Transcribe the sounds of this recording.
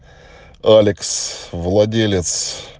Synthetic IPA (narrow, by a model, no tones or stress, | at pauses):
alʲɪksvlˠɐdʲelʲɪt̪s